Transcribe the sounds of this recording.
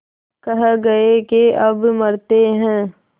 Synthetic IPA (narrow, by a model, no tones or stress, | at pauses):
kɐɦɡɐekeʔɐbmɐɾt̪eɦɛ̃ː